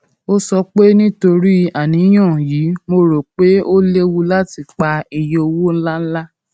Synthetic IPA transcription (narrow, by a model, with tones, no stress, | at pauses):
o˦sɔ˧k͡pe˦nĩ˦to˧ɾi˦a˦˨nĩ˨˦j̃ã˦˨jiː˨˦mo˧ɾo˨k͡pe˦o˦le˦wu˧la˦ti˧k͡pa˧i˧je˧o˧wo˦la˦la˦